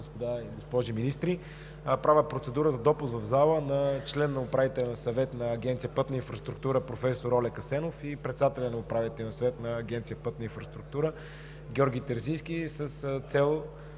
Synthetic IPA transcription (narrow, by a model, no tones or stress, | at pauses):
ospod̪aiɡospɔʒiminist̪ɾi | pɾavʲəpɾot̪sɛd̪uɾəzɐd̪ɔpʊsvɐvzalˠənɐt͡ʃlɛnːɐʊpɾavit̪ɛlʲɛnɐsɐvɛt̪nɐːɡʲɛnt̪ijəpət̪nəinfɾəst̪ɾuk̚t̪uɾəpɾofɛsoɾɔlɛkɐsɛnofipɾɛt̪sɛd̪at̪ɛlʲɐnɐʊpɾavit̪ɛlɛnsɐvɛt̪nɐːɡʲɛnt̪sijəpɤt̪nəinfɾəst̪ɾʊk̚t̪uɾə | ɡʲɔɾɡ̟ʲit̪ɛɾzisk̟ʲisəst̪sɛlˠ